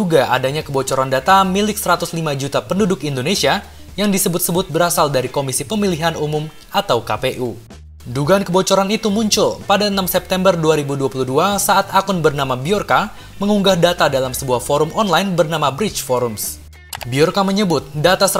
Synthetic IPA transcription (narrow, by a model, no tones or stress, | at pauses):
uɡaʔa̰daɲakəbot͡ʃɔɾandat̪amilɪk̚səɾat̪ʊslimad͡ʒut̪apəndudʊkindonesia | jaŋdisəbʊt̪̚səbʊt̪̚bəɾasaldaɾikomisipəmiliɦanumʊm | at̪awkapeʔu | duɡaːnkəbot͡ʃoɾanit̪umuɲt͡ʃʊlpadaənamsɛp̚t̪ɛmbərduaɾibuduapuluhduasaʔːt̪akʊnbərnamabiɔrka | məŋuŋɡahdat̪adalamsəbuahfɔɾʊmɔnlajnbərnamabɾɪt͡ʃfɔɾʊms | biɔrkaməɲəbʊt̪̚dat̪asə